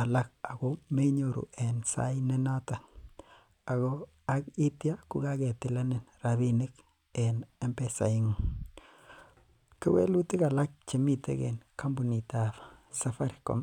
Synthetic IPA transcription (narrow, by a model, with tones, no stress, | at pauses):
a˨la˦ka˨ɡome˦ɲoɾṵɛnsa̰ine˦na˦ta˨ | a˨ɣo˦ | aki˦tja˦kʊ˦ɡa˦ɡɛ˨tɪ˨la˦ne˨nraβi˦nɪ˦k | ɛ˨ne˦mpesa̰˨i˦ŋ | ke˦wḛ˦lu˦ti˦ka˨la˦k̚t͡ʃe˨mi˦tḛ˦ɡḛnka˦mbu˨ni˨taβsa˦fa˦ɾko̰˨m